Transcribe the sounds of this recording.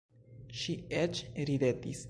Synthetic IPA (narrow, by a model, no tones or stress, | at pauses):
ʃiet͡ʃɾidetis